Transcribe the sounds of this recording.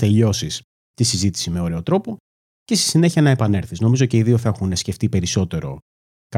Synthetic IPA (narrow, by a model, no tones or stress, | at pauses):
t̪e̞ʎo̞sis | t̪isizit̪i̥simeo̞ɾe̞o̞t̪ɾo̞po̞ | ce̞st̪i̥sine̞çiɐnɐe̞pɐne̞ɾθizno̞mizoce̞iðioθexunesce̞ft̪ipe̞ɾiso̞t̪e̞ɾo̞̰ | kɐ